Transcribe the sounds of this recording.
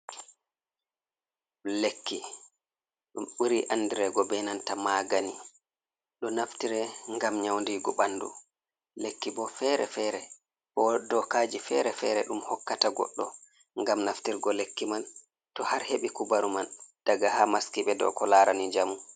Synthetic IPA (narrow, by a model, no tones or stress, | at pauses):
lekːi | ɗumɓuɾiʔanːdiɾɛɡɔbɛnantamaːɡani | ɗɔnaftiɾɛŋɡamɲawndiɡɔɓanːdṵ | lekːibɔfɛːɾɛ̰fɛɾɛ | bɔdɔkaːd͡ʒifɛɾɛfɛɾɛɗumhɔkːataɡɔ̰ɗːɔ | ŋɡamnaftiɾɡɔlekːiman | tɔhaɾheɓikubaɾumand̥aɡahamaskiɓɛdɔ̰kɔlaɾanid͡ʒamu